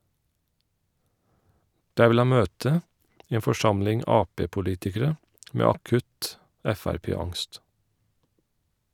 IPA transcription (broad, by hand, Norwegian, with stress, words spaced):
ˈdæː ˈʋɪl ˈhɑn ˈmøːtə ˈeːn fɔˈʃɑmlɪŋ ˈɑːˌpeːpʊˌliːtɪkəɾə ˈmeː ɑˈkʉt ˈɛfæɾˌpeːˌɑŋst